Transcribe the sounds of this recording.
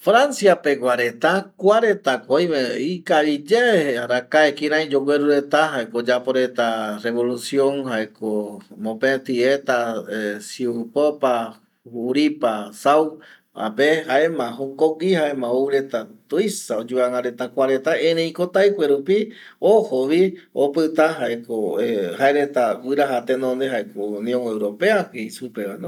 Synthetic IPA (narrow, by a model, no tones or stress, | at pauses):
fɾansjapekʷaɾe̞t̪akʷaɾe̞t̪akojmeikaβid͡ʒeeaɾakaekiɾãj̃d͡ʒoɡʷweɾuɾe̞t̪aɦaekod͡ʒapoɾet̪areβo̞lusjõŋhaekomõpẽt̪iet̪asiupopa | uɾipasaw | a̰pehaemãɦõŋkoɡihaemãuɾet̪at̪ujsaod͡ʒuaŋãɾet̪akʷaɾet̪aẽɾẽj̃kot̪ajkʷeɾupi | ohoβiopɨt̪aɦaekoehaeɾet̪awɨɾaɦat̪enõnd̪eɦaekounj̃õŋewɾopeakeisupeanõ